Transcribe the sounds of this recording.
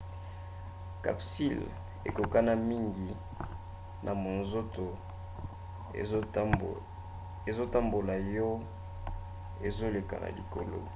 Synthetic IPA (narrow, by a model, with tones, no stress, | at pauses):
ka̰˨psi˦˨l | ḛ˨ko˨ka˦na˦mi˦ŋɡi˨ | nʔa˨mo˨nzo˦to˨ | e˨zo˦ta˦mbo˨la˨jɔ˦ | e˨zo˦le˨ka̰˨na̰˨li˨ko̰˨lo̰˦˨